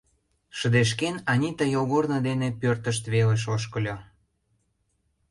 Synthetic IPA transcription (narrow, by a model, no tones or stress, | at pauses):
ʃə̆d̪eʃ̬kenɑnʲit̪əjoɣornə̆d̪enepørt̪əʃ̬t̪βeleʃ̬oʃ̬kə̆lʲo